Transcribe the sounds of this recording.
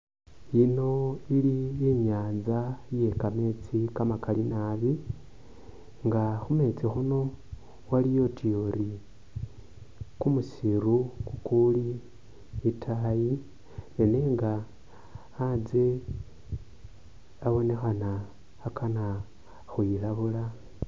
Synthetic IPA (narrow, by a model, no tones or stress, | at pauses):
ino̞ilieɲaːzaje̞kame̞t͡sikamakʰalinaβi | ŋɡaxume̞t͡sixuno̞ | walijo̞tʰijoɾi | kumusiɾukukuli | itʰaji | nene̞ːŋɡaː | d͡ze̞ | aβo̞ne̞xanaː | kana | xujilaβula